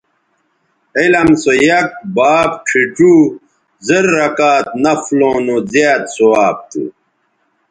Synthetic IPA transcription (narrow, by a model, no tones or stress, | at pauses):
elɐmsojɐk̚baːb̚ʈʰiʈu | zeɾːɐkaːt̪̚nɐflõːnozjaːt̪soaːb̚t̪ṵ